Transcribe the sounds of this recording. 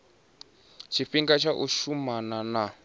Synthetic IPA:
t͡ʃʰiɸiŋɡat͡ʃʰaʔuʃumanana

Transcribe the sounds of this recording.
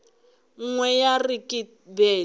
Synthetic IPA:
ŋ̩ŋwɛjarikʼi | bɛ

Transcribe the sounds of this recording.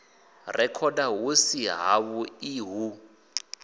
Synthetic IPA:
rɛkʰɔdawusiɦa̰βuiɦu

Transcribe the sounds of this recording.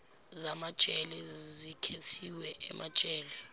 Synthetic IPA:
zamad̥ʒ̥ʱɛlɛzikʰetʰiwɛʔɛmad̥ʒ̥ʱʼɛːlɛ

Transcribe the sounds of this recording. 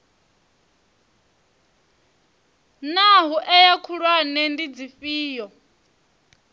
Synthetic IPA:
naɦuʔɛjakʰuɺwanɛndid͡zifiːjɔ

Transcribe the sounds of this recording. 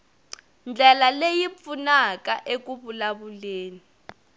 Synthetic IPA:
nd͡ɮʱɛlalejip̪funak̬ʼaʔek̬uɓulaɓuleːni

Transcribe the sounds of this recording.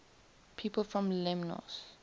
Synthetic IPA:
pʰiːpəlfɹɔ̃mlɛmnɔ̰s

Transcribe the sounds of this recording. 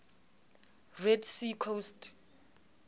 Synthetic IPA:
redsikʰost

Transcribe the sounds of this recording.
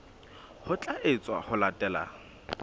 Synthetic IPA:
hʊt͡ɬʼaʔɪt͡sʼwa̰hʊlatʼɛːla̰

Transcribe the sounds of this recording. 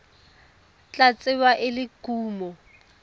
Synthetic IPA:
t͡ɬʼat͡sʼɪwaʔɪlɪɡ̥uːmɔ

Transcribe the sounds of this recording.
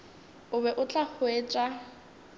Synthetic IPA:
ʊβɛʔʊt͡ɬʼahʊeːt͡ʃʼa

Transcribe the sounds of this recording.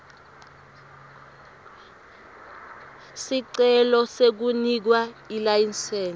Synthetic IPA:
siǀɛlɔsek̬unik̬wailajinsɛːn

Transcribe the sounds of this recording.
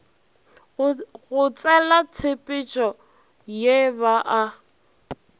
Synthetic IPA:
ɣʊt͡sʼɛlat͡sʰɪpʼɪt͡ʃʼɔ | jeβaʔa

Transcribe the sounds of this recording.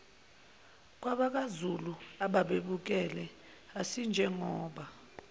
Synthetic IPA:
k̬ʼwaɓak̬azuluaɓaɓeɓuk̬ɛlɛ | asind͡ʒʱɛŋɔːɓa

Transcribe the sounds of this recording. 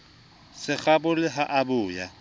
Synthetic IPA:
sɪk͡xabʊlɪɦaʔabʊːja

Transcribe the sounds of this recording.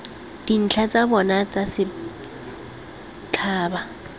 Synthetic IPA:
d̥in̩t͡ɬʰat͡sʼabɔnat͡sʼasɪ | t͡ɬʰaːba

